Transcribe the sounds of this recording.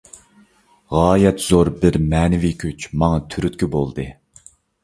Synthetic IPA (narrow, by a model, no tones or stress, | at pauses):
ʁɑːjɛt̪z̥oɾbɪɾmɛːnɪvikʲʰyt͡ʃmɑŋɑt̪ʰyɾyt̪kʲibolˠd̪ɨ